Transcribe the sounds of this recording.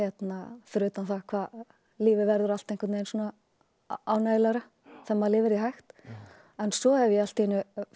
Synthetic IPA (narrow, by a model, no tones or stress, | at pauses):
ɛt̪naθɾʏːt̪anθakʰvaːð | liːvɪvɛɾðʏɾal̥t̪ejŋkvɛt̪nejnsuɔːna | aːwnajlaɾa | θɛmːaðlɪːvɪɾjiɦajxt̪ | ɛnsɔɛvjɛal̥t̪ɛnʏ